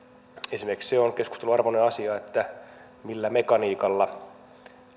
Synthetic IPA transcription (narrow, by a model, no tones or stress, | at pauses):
esimeriksseonkeskust̪eluɑrʋoneɑsiɑet̪ːæ | milːæmekɑniːkɑlːɑ